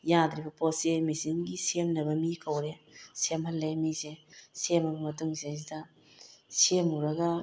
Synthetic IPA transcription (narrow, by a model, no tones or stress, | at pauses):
jad̪ɾibɐposemisiŋɡisemnɐbɐmikʰɐwɾesemhɐlːemisesemɐbɐmɐtuŋseazidɐ | semuɾɐɡɐ